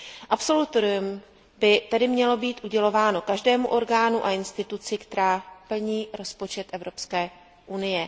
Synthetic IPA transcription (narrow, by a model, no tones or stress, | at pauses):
ʔapso̞lut̪oɾɪum | bɪt̪adɪmɲɛlo̞biːt̪ʔuɟɛlo̞vaːno̞kaʒdɛːmuʔo̞ɾɡaːnuʔaɪnst̪ɪt̪ut͡sɪkt̪ɛɾaːpl̩ɲiːɾo̞spo̞t͡ʃɛt̪ʔɛvɾo̞pskɛː | ʔunɪjɛ